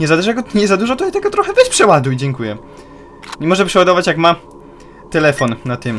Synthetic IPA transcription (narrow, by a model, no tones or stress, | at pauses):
ɲɛzad̪ɛʐjaɡɔɲɛzad̪uʐɔt̪ɔɲɛt̪ɛɡɔt̪ɾɔxɛvɛɕpʂɛwad̪ujd͡ʑɛŋkujɛ | ɲɛmɔʐɛpʂɛwad̪ɔvat͡ɕjakma | t̪ɛlɛfɔnnat̪ɘm